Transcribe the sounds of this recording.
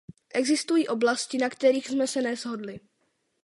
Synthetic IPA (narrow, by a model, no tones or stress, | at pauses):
ʔɛɡzɪst̪ujiːʔo̞blascɪnakt̪ɛɾiːxsmɛsɛnɛzɦo̞dlɪ